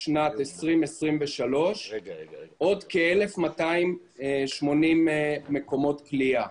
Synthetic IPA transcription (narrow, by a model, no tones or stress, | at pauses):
ʃnat̪esʁimesʁimveʃalo̞ʃ | ʔo̞d̪keele̞fmataim | eʃmo̞nimːekomo̞tklia